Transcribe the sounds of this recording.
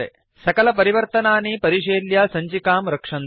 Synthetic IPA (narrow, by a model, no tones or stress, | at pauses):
ḛ | sɐkɐlɐp̬ɐɾiʋɐɾt̪ɐnaːniːpɐɾiʂeːljaːsɐɲt͡ʃikaːmɾɐkʂɐn